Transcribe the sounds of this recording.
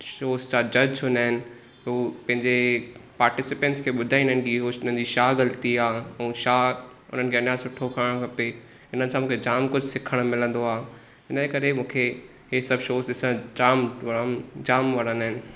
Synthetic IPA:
ʃoːst͡ɕad͡ʑɐd͡ʑʰʊnaːɦɪnɪ̆ | oːpɐ̃ɦɪ̃ɲd͡ʑepaːɾʈɪsɪpẽːɳʈskʰeːɓʊd̪ʱaːĩndəɦnkiɦoːɪnənd͡ʑiːʃaːɡɐlt̪iaːɛ̃ːʃaːʊ̰n̤ənɪkʰeɐnaːsʊʈʰːokʰəəɽ̃kʰɐpe | ɪn̤ənɪ̆sʰãmũːkʰed͡ʑaːmkʊd͡ʑʱsɪkʰəɽ̃mɪlə̃nd̪oaː | ɦɪnəekɐɾemũːkʰe | ɦesɐbʱʃoːsɗɪsə̃d͡ʑaːmʋmd͡ʑaːmʋɐɽə̃nd̪aːɦɪnɪ̆

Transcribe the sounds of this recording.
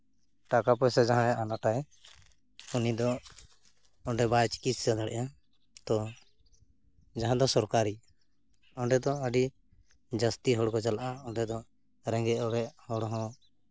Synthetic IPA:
ʈakapɔjsɛd͡ʒaɦãɛanaʈaj | unid̪ɔ | ɔɖɛbajt͡ʃi̥kissad̪aɽɛ̰ʔa | t̪ɔ | d͡ʒaɦãd̪ɔsɔɾkaɾi | ɔɳɖɛd̪ɔəɖi | d͡ʒəst̪iɦɔɽkɔt͡ʃalaʔaɔɳɖɛd̪ɔ | ɾɛ̃ŋɡɛɔɾɛhɔɽɦɔ̃

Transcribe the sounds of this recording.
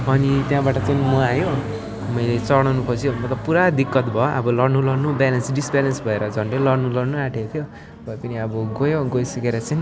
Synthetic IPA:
ʌnit̪jãbaʈʌt͡sajnmɔajo | mʌjlet͡sʌɽ̃ʌwnupʌt͡sʰjomʌt̪ʌpuɾad̪ikːʌt̪bʱʌʔʌ̰bʌlʌrnulʌɽnubalʌnsɖisbjalʌnsbʱʌeɾʌd͡zʱʌɳɖelʌrnulʌrnuaʈʰet̪ʰjo | bʱʌepʌniʌbʌɡojoɡojsʌkeɾʌt͡sajn

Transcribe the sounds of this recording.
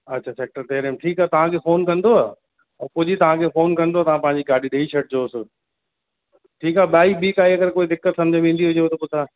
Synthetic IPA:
ɐtːɕʰaseːk̚ʈəɾt̪eːɾemʈʰiːkaːt̪ɐʋ̤ãkʰefoːnkɐ̃nd̪oaː | pʊd͡ʑit̪ɐʋ̤ãkʰefoːnkɐ̃nd̪oat̪ɐʋãpɐ̃ɦɪ̃ɲ̆d͡ʑiɡaːɾɖiɗeit͡ɕʰɐʈ̚d͡ʑoːsɪ | ʈʰiːkaːɓaːiɓiːkaːiɐɡəɾkoːid̪ɪkːət̪sɐ̃md͡ʑʱə̃ʋẽːnd̪iɦʊd͡ʑeot̪ɐpʊt̪ʰa

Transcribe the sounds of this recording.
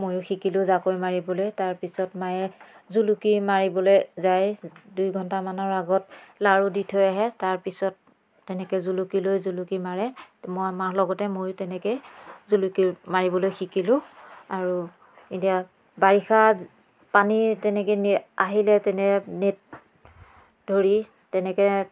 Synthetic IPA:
mojʊxikilʊ̃zakojmaɹibɔlojtaɹpisɔtmajɛ | zulukiɹmaɹibɔlojzajdujɡʱɔntamanɔɹaɡɔtlaɹuditʰɔjaɦɛtaɹpisɔtː | ɛnɛkɛzulukilojzulukimaɹɛmojamaɹlɔɡɔtɛmojtɛnɛkɛzulukiɹmaɹibɔlojxikilʊ̃aɹu | itia | baɹixa | panitɛnɛkena̰ɦilɛtɛnɛnet̚ | dʱoɹi | tɛnɛkɛ

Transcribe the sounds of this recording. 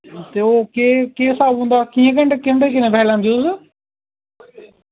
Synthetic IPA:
t̪eːoːkeːkeːɪsaːbɦũːnd̪aːkiːẽk̬əɳɖekɪɳɖeːkɪnẽːpʰɛːlãːnd̪is

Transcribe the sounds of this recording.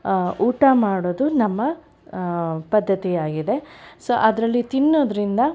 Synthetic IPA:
uːʈamaːɽoːd̪unɐmːɐ | pɐd̪ʱːɐt̪ijaːɡid̪esoːʔɐd̪ɾɐlːit̪inːoːd̪ɐɾind̪ɐ

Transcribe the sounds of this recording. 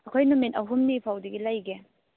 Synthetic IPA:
ɐkʰojnomenɐɦumnipʰawdiɡilajɡe

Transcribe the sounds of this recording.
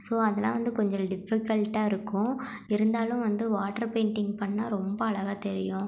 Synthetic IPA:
soːɐðɛlːã̰ːʋɐnd̪ɯkɔɲd͡ʒɔ̃ɖɪfɪkɐɭʈaːɪɾɯkːʊ̃ | ɪɾɯnd̪aːlʊ̃ʋɐnd̪ɯʋaːʈːɐɾpeːɳʈɪŋɡpɐɳːaːɾɔmbɐːɭɐɣaːt̪ɛɾɪjʊ̃

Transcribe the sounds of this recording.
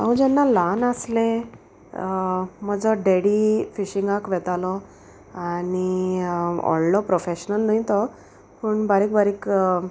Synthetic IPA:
a̰ũd͡ʑɛnːalanaslẽ | m̤əɡd͡zɔɖeɽifiɕĩŋɡakʋɛt̪alɔ | ani | ɔ̰llɔpɾofeɕnəlnait̪ɔ | pəɳbaɾiːkbaɾik

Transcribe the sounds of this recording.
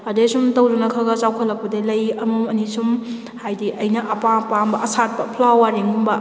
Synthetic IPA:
ɐdesumtɐwdunɐkʰaɡɐt͡ʃawkʰɔlːɐk̚pɐdelɐjɐmuɐnisum | hajdiʔɐjnɐʔɐpapambɐʔɐsat̚pɐpʰlawaɾiŋumbɐ

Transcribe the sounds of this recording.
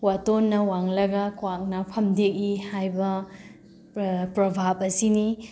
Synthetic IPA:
watonːɐwaŋlɐɡɐkwak̚nɐpʰɐmdek̚ihajbɐ | pɾɐbʱap̚ɐsini

